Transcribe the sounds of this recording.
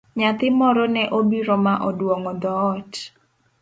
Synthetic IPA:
ɲat̪ɪmɔɾɔnɛʔobiɾɔmaʔɔdwɔŋɔd̪ɔːt

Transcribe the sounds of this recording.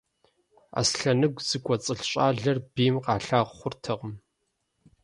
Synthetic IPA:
a̰ːsɬɐnɨɡʷz̥ɨkʷʼɔt͡sʼɨɬɕʼaːɮɐrbiːmqɑːɬaːʁʷχʷʊrtʰɐʁəm

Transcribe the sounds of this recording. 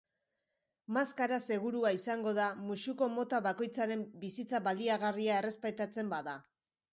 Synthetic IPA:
maskaɾase̞ɣuɾuaisaŋɡo̞ðamusuko̞mo̞t̪aβako̞jt͡saɾe̞mbisit͡saβald̪iaɣariae̞re̞spajt̪at͡se̞mbaða

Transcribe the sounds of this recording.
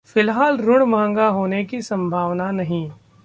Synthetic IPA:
fɪlɦaːlɾʊɽ̃mãːŋɡaɦoːnekisɐ̃mbʱaːʋnanɐɦĩː

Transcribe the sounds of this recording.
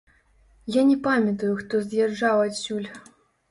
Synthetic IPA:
janʲɛpamʲɐt̪ujuxt̪ɔzʲjarʐawasʲulʲ

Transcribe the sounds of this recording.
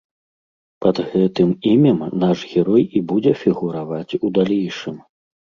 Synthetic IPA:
pɐd̪ɣɛt̪ɨmimʲɛmnaʐɣʲɛɾɔjibud͡zʲɛfʲiɣuɾavat͡sʲud̪alʲejʂɨm

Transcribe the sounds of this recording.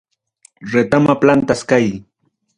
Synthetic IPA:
ɾet̪amaplant̪askaj

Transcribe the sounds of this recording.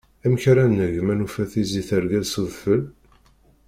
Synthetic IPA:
æməçɾænːəʝmænufæθiziθəɾɡæðsuðfəl

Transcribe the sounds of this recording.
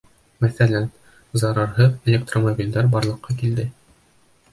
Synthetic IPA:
mæθælæn | zɑɾɑɾɦɤðelʲek̚t̪romobʲild̪æɾbɑɾlˠɤ̆qːɑkild̪ɘ

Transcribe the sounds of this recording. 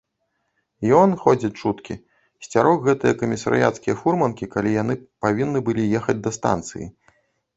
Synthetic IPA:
jɔnxɔd͡zʲit͡sʲt͡ʂut̪kʲi | sʲt͡sʲaɾɔxɣɛt̪ɨjɐkɐmʲisɐ̰ɾɨ̰ja̰t̪skʲijɐfurmɐnkʲikalʲijan̪ɨpavʲinːɨbɨlʲijɛxɐd͡zʲd̪ɐst̪a̰nt̪sɨ̰jḭ

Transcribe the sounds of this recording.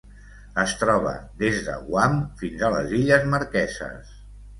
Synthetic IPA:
əst̪ɾɔβ̞ə̰ðezðə̰ɣwamfinzələ̰ziʎəzməɾkɛzə̰s

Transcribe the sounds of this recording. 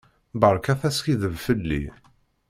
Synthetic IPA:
bəɾˤkæθæskiðəvfəlːḭ

